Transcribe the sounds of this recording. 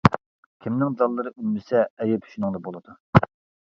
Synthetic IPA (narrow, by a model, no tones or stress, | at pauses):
kʲʰimnɪŋd̪ɑlˠːɨɾɨʔymːɪsɛːjɛpʰy̥ʃynɨŋd̪ɑbolˠɨd̪̥u